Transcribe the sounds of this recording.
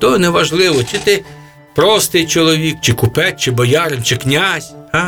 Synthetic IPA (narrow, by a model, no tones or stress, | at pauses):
t̪ɔnɛʋɐʒlˠɪʋɔt͡ʃɪt̪ɪ | pɾɔst̪ɪjt͡ʃɔlˠɔʋʲikt͡ʃɪkʊpɛt̪̚ʲt͡ʃɪbɔjɑɾɪnt͡ʃɪknʲazʲa